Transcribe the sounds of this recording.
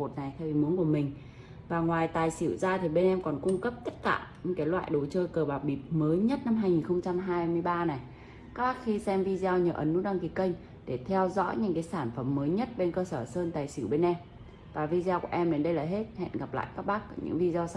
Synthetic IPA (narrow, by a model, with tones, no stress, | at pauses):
o˨˩t̚na˨˩jxvi˨˩mu˨˦nku˧˩əmï˨˩ŋ̟ | vaː˨˩ŋwaː˨˩jt̪aː˨˩jsi˧˩wzaː˧t̪ʰi˨˩ɓe˧nʔɛ˧mkɔ˨˩nkʊ˧ŋ͡mkə˦˥p̚t̪ə˦˥t̚kaː˧˩ɲɨ̰˧˥kaː˨˦jlwa̰ː˧˨jɗo˨˦t͡ɕəː˧kəː˨˩ɓaː˨˩w̚ɓi˨˩p̚məː˨˦jɲə˦˥t̚na˧mɦaː˧jŋi˨˩nxə˧wŋ͡mt͡ɕa˧mɦaː˧jmɨ˧əjɓaː˧na˨˩j | ka˦˥k̚ɓaː˦˥k̚xi˧sɛ˧mvi˧za˧wɲəː˨˩ʔə˨˦nːṵ˧˥ɗa˧ŋki˨˩kə˧jŋ̟ | ɗe˧˩t̪ʰɛ˧wzɔ̰˧˥jɲɨ̰˧˥ŋkaː˨˦jsaː˧˩nfə˧˩mːəː˨˦jɲə˦˥t̚ɓe˧nkəː˧səː˧˩səː˧nt̪aː˨˩jsɨi˧˩wɓe˧nʔɛ˧m | vaː˨˩vi˧zːwku˧˩əʔɛ˧mɗe˨˦nɗə˧jlaː˨˩ɦe˦˥t̚hɛ̰˧˨nɣa˨˩p̚la̰ː˧˨jkaː˦˥k̚ɓaː˦˥k̚ːɲɨ̰˧˥ŋvi˧za˧s